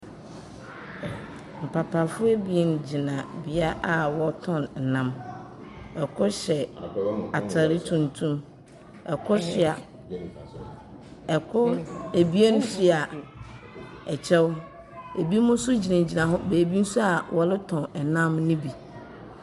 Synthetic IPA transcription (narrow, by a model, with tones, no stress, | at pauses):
m̩˨pʰa˨pʰa˨fʊ˦e˦bi˨e˨n˨d͡ʑi˨nã˨bɪ˨a˦ʔa˨wɔ˦tʰɔ̃˦n̩˨nã˦m | ɛ˨kʰʊ˦ɕɛ˨a˨tʰa˨ɾɪ˦tʰũ˨ntʰũ˦m | ɛ˨kʰʊ˦ɕɪ˨a˨ | ɛ˨kʰʊ˦e˨bi˦e˦ñ˦fi˦a˨ | ɛ˨t͡ɕʰɛ˦w | e˨bi˦mʊ̃˦sʊ˦d͡ʑi˨nã˨d͡ʑi˨nã˨ɦʊ̃˦beː˨bi˦n̩˦su˦a˨wʔɔ˨lɪ˦tʰɔ̃˨nɛ˨nã˦mnĩ˦bi˨